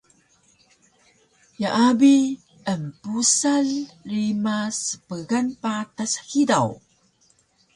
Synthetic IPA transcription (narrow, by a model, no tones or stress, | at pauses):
jaʔabi | əmpusaɮrimasə̥pəɡanpatashidaw